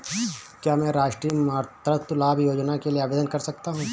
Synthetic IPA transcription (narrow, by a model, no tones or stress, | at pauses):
kjaːmɛ̃ːɾaːʃʈɾiːmaːɾt̪ɾət̪ʊlaːbjoːd͡ʒnakelieaːbeːd̪ənkɐɾsɐk̚t̪aɦũː